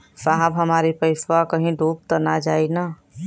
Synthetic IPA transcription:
saːɦəbɦɐmaːɾipɐɪswakɐɦĩɖʱoːb̚t̪ənad͡ʒaːinaː

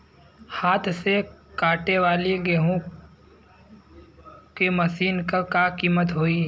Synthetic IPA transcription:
haːt̪ʰsekaːʈeʋaːleɡeɦõ | kemɐsiːnkakaːkiːmət̪ɦoːiː

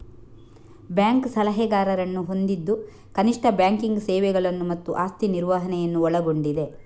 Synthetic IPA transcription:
bjaːŋksɐlɐɦɛɡaːɾɐɾɐnːuɦo̞nd̪id̪ːu | kɐniʂʈʰɐbjaːŋkiŋɡsɛːʋɛɡɐɭɐnːumɐt̪ːuʔaːst̪iniɾʋaɦɐnɛjɐnːuɔɭɐɡo̞ɳɖid̪e̞

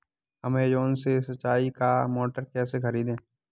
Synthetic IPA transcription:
əmed͡ʒoːnsesɐtːt͡ʃːaːikamoːʈəɾkɛːsexɐɾiːd̪ẽː

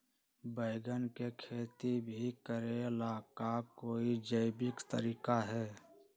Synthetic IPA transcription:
bəɪɡənkekʰeːt̪ibʱikəɾelaːkakoːid͡ʒəɪbɪkt̪ə̰ɾiːkaɦɛː

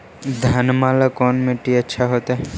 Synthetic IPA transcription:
d̪ʱanmalakɔnmeʈietːʃʰaɦot̪e

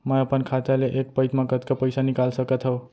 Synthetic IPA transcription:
mʌʌpʌnkʰat̪eleʔek̚pʌjt̪maɡʌt̪kʌpəjsanikalsʌkʌt̪ʰɦʌw

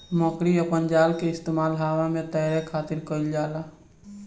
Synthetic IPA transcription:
mɔ̃kɾiəpənd͡ʒaːlkeɪst̪eːmaːlɦaːʋãmẽt̪əɦɾekʰaːt̪ɪɾkəɪld͡ʒaːlaː

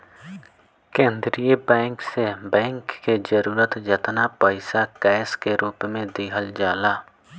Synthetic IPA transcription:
kẽːnd̪ɾijəbɛ̃ːŋksebɛ̃ːŋkːed͡ʒəɾuːɾət̪d͡ʒət̪napəɪsakɛːskeɾuːpmẽd̪iːɦəld͡ʒaːlaː

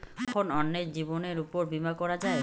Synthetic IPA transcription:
kʰonɔnːeɾd͡ʑiboneɾupoɾbimakɔɾad͡ʑae

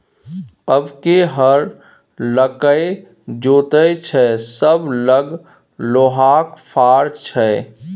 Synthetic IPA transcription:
əbkeɦəɾ | ləkəj | d͡ʒoːt̪ət͡ʃʰɛsəbləɡ | loːɦaːkpʰaːɾt͡ʃʰɛ

